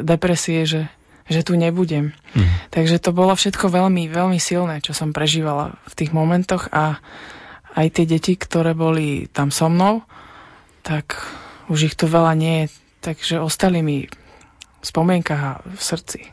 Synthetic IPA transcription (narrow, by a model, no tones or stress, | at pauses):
d̪ɛpɾɛsiɛʒɛ | ʒɛt̪uːɲɛbuɟɛmt̪aɡʒɛt̪ɔbɔlɔfʃɛt̪kɔʋɛʎmiʋɛʎmisilnɛːt͡ʃɔsɔmpɾɛʒiːʋala̰ft̪iːɣmɔmɛnt̪ɔɣa | ajt̪ɪɛɟɛcikt̪ɔɾɛːbɔlit̪amsɔmnɔʊ | t̪akuʒixt̪uʋɛlaɲɪɛjɛ | t̪aɡʒɛɔst̪alimi | fspɔmɪɛŋkaɣa̰fsr̩t͡si̥